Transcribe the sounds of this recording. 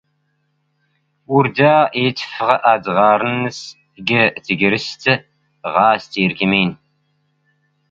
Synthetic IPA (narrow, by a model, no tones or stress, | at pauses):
ʊrdaːeːtʰfɨʁɐʔaːdʁɑːɾɨnɨs | ɡɐtʰɨɡɪɾɨstʰɐ | ʁɑːstʰiːrkʰʲimeːn